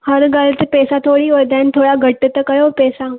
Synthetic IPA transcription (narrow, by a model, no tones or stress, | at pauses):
hɐɾɡaːlət̪pɛːsat̪ʰoːɽioːɾd̪ɛːnt̪ʰoːɽaɡʱɐʈːət̪əkɐjopɛːsa